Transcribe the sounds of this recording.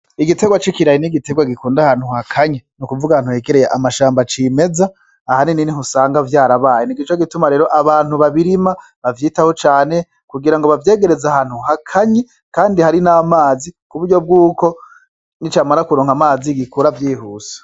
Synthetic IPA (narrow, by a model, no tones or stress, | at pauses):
iɡite̞ɡwat͡ʃikiɾajiniɡite̞ɡwaɡikuːndahaːn̥huhakʰaɲenukuvuɡahanhuheɡeɾejeʔamaʃaːmbat͡ʃiːme̞zaː | hanininiɦusaːŋɡavjaːɾaβaːjeniɡit͡ʃo̞ɡitumaɾe̞ːɾo̞ʔaβaːn̥huβaβiɾima | βavjiːtaho̞t͡ʃaːne̞ | kuɡiɾaŋɡo̞βavje̞ːɡe̞ɾe̞zahaːn̥huɦakʰaɲe | kaːndihaɾinaːmaːzikuβuɾɟo̞b̚ɡuːko̞ | nit͡ʃaːmaɾakuɾoːŋhamaːziɡikuɾavjiːhuːsḁ